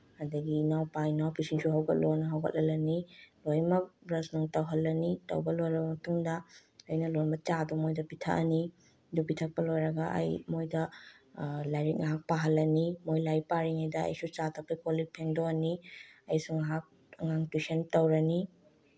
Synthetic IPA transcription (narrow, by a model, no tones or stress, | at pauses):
hɐdɐɡinawpajnawpisinsuɦɐwɡɐ̰t̚lonɐɦɐwɡɐ̰t̚lʔɐlɐnilojmɐk̚bɾɐsnuŋtɐwɦɐlːɐnitɐ̰wbɐlojɾɐbɐmɐtuŋdɐːjnɐlojmbɐt͡ʃadumojdɐpitʰɐ̰ʔɐni | dupitʰɐk̚pɐlojɾɐɡɐʔɐ̰jmojdɐ | lajɾik̚nɐɦak̚paɦɐlːɐnimojlajpaɾiŋɐjdɐ̰ːjsut͡ʃatʰɐpːɐjkolipʰendoniɐjsuŋɦak̚ | ɐŋaŋtwisɐntɐwɾɐni